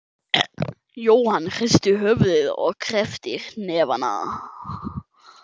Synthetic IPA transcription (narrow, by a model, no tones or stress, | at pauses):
joːwhanːr̥ɪst̪ʏɦœvðɪðɔ̰ɣkʰɾɛft̪ɪɾnɛːvana̰ða̰